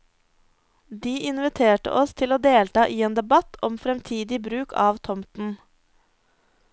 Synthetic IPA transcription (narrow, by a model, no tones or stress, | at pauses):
d̪iːʔɪnʋɪt̪ʰeːʈə̰ʔɔst̪ʰɪloːd̪eːlt̪ɑːʔiːeːnd̪ɛbɑt̪ɔmfɾɛmt̪ʰiːd̪ɪbɾʉːkʰɑ̰ːʋt̪ʰɔmt̪n̩